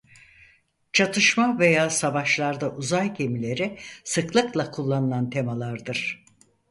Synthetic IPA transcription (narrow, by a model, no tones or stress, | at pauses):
t͡ʃʰat̪ʰɯʃmave̞jaːsavaʃlˠaɾd̪aʔuzajɟe̞milʲe̞ɾisɯklˠɯklˠakʰulˠːanɯlˠant̪ʰe̞malˠaɾd̪ɯɾ̥